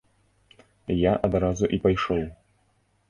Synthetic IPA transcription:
jaʔɐd̪ɾazuʔipajʂɔw

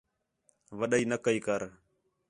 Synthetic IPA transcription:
ʋəɗəiːnəkəiːkəɾ

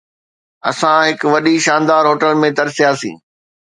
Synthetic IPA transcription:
ɐsãɦɪkʋɐɗiʃãːnd̪aːɾɦoːʈəlmẽd̪ɐɾsijasḭ̃ː

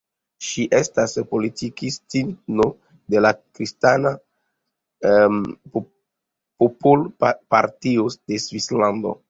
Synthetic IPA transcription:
ʃiʔe̞staspo̞litikistino | de̞lakɾistana | popolpaɾtiod̥e̞svislando̞̰

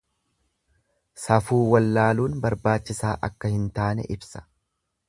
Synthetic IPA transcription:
sɐfuːwɐlːaːluːnbɐɾbaːt͡ʃːɪsaːʔɐkːɐhɪnt̪aːnɛ̰ʔɪbsɐ̥

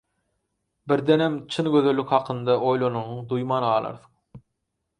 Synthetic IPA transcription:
biɾd̪enemt͡ʃʰɯnɡøðø̞lːykhɑqʰɯnd̪ɑʔo̞jlˠonunuɴd̪ujmɑːnɑːlˠɑ̰ɾθɯ̥q

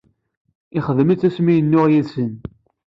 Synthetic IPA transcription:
ɪχəðəmit͡sːæsmijənːʊʁjisən

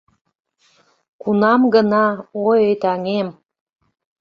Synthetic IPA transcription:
kunɑmɡənɑojejt̪ɑŋem

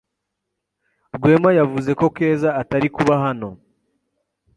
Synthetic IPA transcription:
ɾɡwe̞ːmajavuze̞ko̞ke̞ːzaːtaɾikuβaɦano̞

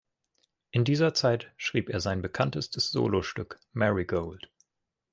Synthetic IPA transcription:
ʔɪndiːzɐt͡saɪtʃʁ̥iːpeːɐzaɪnbəkʰantəstəsz̥o̰ːloʃtʏk | mɛʁiɡoʊlt

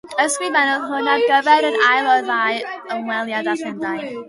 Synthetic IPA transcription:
əsbimɛnɔðɦʊnaɡəvɛɾənajlˠɔðajəmwɛlˠjadaθɪndaj

